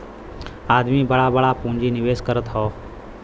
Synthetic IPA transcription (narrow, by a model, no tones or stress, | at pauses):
ad̪miːbəɭabəɭapũɲd͡ʑiːniʋeskəɾət̪ɦɔ